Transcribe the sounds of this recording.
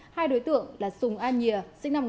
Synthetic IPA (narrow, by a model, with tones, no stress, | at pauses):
haː˧jɗo˨˦jt̪ɨ̰˧˨əŋlaː˨˩sʊ˨˩ŋ͡mʔaː˧nɲi˨˩əsɨ̰˧˥˦ŋna˧m